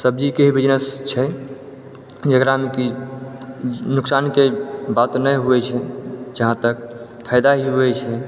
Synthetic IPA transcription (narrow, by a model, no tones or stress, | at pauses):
səbd͡ʒikeɦibid͡ʒnəst͡ʃʰɛ | d͡ʒəkɾameki | nʊksankebat̪nəjɦuɛt͡ʃʰɛd͡ʒəɦãt̪ək̚ | pʰajd̪aɦiuɛt͡ʃʰɛ